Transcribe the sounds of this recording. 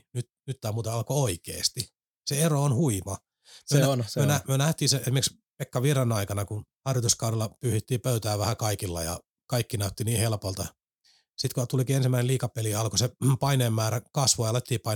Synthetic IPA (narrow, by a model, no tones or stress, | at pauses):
nyt̪nyt̪ːæːmuːt̪ɑɑlkooikḛːst̪i | seeroonhuimɑ | mmyøønnyønæmyønæht̪iːseesimerks | pekːɑʋirɑnɑikɑnɑkunhɑrjot̪uskɑuɾelːɑpyːhit̪ːiːpøyt̪æːʋæhækɑikilːɑ̰jɑ̰ | kɑikːinæyt̪ːiniːhelpolt̪ɑ | sit̪kot̪ulikiːensimːæineliːkɑpeliɑlkosepɑineːmmæːrækɑsʋojɑlet̪ːiːpɑi